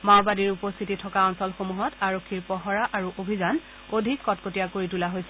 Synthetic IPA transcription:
mawbadiɹupost̪ʰititʰɔkaɔnsɔlxomuɦɔtaɹokʰːiɹpɔɦɔɹaʔaɹuʔobʱizan | odʱikːɔtkotijakoɹitulaɦojsɛ

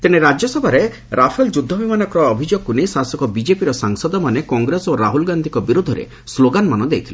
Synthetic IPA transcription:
t̪ineɾad͡ʒjɔsɔbʱaɾe | ɾapʰeld͡ʒud̪ʱːɔbimanɔkɔɾɔːbʱid͡ʒoɡ̚kːunejsasɔkɔbid͡ʒepiɾɔsaŋsɔd̪ɔmanekɔŋɡɾesoɾaɦulɡand̪ʱikɔbiɾud̪ʱɔɾḛ | sloɡanmanɔd̪ejt̪ʰile

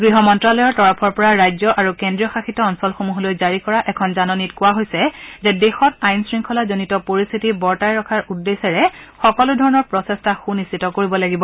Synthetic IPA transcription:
ɡɹiɦɔmɔntɹalɔjɔɹtɔɹapʰɔɹpɔɹaɹajzɔʔaɹukendɹiɔxaxitɔːnsɔlxomuɦolojzaɹikɔɹaʔɛkʰɔnzanɔnitkʊwaɦojsɛzɛdexɔtajnsɹiŋkʰɔlazonitɔpoɹistʰitibɔɹtajɹɔkʰaɹudːesɛɹɛxɔkɔlʊdʱɔɹɔnɔɹpɹɔsɛstaxunistitɔkoɹibɔlaɡibɔ

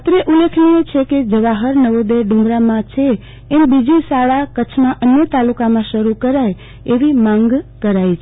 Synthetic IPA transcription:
at̪ɾeʔulekʰniet͡ʃʰeked͡ʒəʋaɦəɾnəʋod̪eɖũŋɡɾamãt͡ʃʰeː | mbid͡ʒisaɭakət͡ʃʰmãʔənjət̪alukamãʃəɾukəɾaj | eʋimãŋɡkəɾajt͡ʃʰ

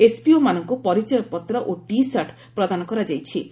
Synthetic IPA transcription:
espiomanɔŋkupɔɾit͡ʃɔjɔpɔt̪ɾɔʔoʈisaʈ | pɾɔd̪anɔkɔɾad͡ʒajt͡ʃʰi

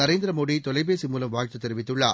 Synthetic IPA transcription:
ɐɾeːnd̪ɪɾɐmoːɽit̪ɔlɐɪbeːsimuːlɐmʋaːɻt̪ːɐt̪ːɛɾɯʋɪt̪ːɯɭːaː

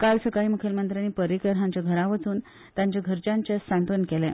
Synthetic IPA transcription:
kalsəkaiːmukʰelmənt̪ɾaniːpəɾikəɾɦãɲt͡ɕaɡʱəɾaʋət͡suːn | t̪jaɲt͡ɕaɡʱəɾt͡ɕaɲt͡ɕesant̪ənkelɛ

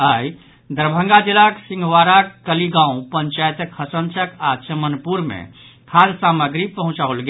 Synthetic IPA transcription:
əj | d̪əɾbʱə̃ŋɡad͡ʒilaksĩŋɡwaɾakkəliɡãũpəɲt͡ʃajt̪əkhəsənt͡ʃəkat͡ʃəmənpuɾmḛ | kʰalsaməɡɾipəɦũt͡ʃaulɡe

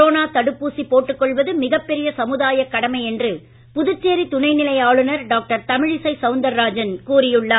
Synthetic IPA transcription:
oːnaːt̪ɐɽɯpːuːsipoːʈːɯkːɔɭʋɐðɯmɪɣɐpːɛɾɪjɐsɐmɯðaːjɐkːɐɽɐmɐɪɛndrɯ | pʊðɯt͡ʃːeːɾit̪ʊnɐɪnɪlɐjaːɭɯnɐɾɖaːk̚ʈɐɾt̪ɐmɪɻɪsɐɪsɐʊnd̪ɐɾːaːd͡ʒɐnkuːrɪjɯɭːɐ

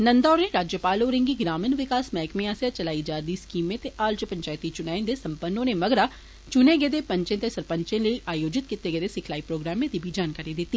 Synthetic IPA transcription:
nənd̪ɔːɾnẽːɾaːd͡ʒjəpaːloːɾɪ̃ŋɡiɡɾaːmənʋɪkaːsmɛːkmẽːaːsaːt͡ʃəlaːid͡ʒaːd̪iːskiːmẽːt̪eʔaːlt͡ʃpəɲt͡ʃaːɪt̪iːt͡ʃʊnaːẽnd̪eːsəmpənːõːneːməɡɾaː | t͡ʃʊnẽːɡeːd̪eːpəɲt͡ʃẽːt̪eːsəɾpə̃ɲt͡ʃẽːləiːʔaːjoːd͡ʒɪt̪̚kɪt̪ːeɡeːd̪eːsɪkʰlaːipɾoːɡɾaːmẽːd̪iːbʱid͡ʒaːnkaːɾid̪ɪt̪ːiː

